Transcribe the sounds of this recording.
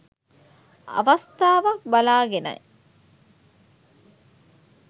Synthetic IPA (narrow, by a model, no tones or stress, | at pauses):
ɐ̰ʋɐst̪aːʋɐk̚bɐlaːɡenɐ̰je